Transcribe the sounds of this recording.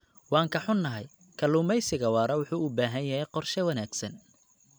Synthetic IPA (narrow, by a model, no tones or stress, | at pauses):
wɑːŋkʰɐħʊnːɐɦɐj | kʰɐluːmɛjsɪɣɐwɑːɾɐwʊħuːʊbaːɦɐjɐɦɛjqɔrʃɛwɐnaːɡsɐn